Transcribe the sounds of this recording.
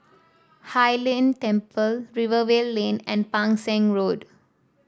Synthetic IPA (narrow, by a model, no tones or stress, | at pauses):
hajlẽntɛ̃mpəlɹivəwelːẽnɛ̃npãŋsɛ̃ŋɹod